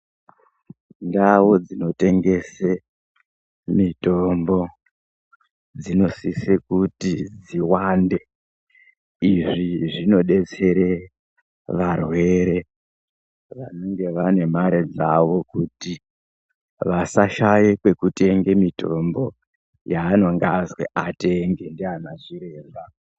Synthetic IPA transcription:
ndawo̞d͡zino̞te̞ŋɡe̞se | mito̞mbo̞ | d͡zino̞sisekutid͡ziwande̞ | iʐiʐino̞ɗe̞t͡se̞ɾe̞ | ʋarwe̞ɾe̞ | ʋanoŋɡe̞ʋane̞maɾed͡zaʋo̞kuti | ʋasaʃajekwe̞kute̞ŋɡe̞mito̞̰mbo̞ | jaːno̞ŋɡazwḛʔateŋɡendianaʐiɾe̞ːba

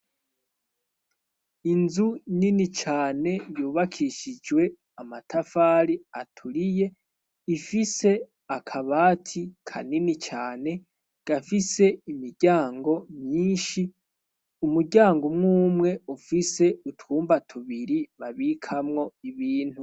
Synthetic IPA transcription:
inzuninit͡ʃaːne̞juːβakʰiʃid͡ʒwe̞ | amatʰafaːɾiatʰuɾije̞ | ifise̞ | akʰaβaːtʰikʰa̰ninit͡ʃaːne̞ | ɡ̥afise̞imiɾɟaːŋɡo̞mɲiːnʃi | umuɾɟaːŋɡomŋuːmŋe̞ufise̞utuːmbatʰuβiɾiβaβikʰamŋo̞iβiːn̥hu

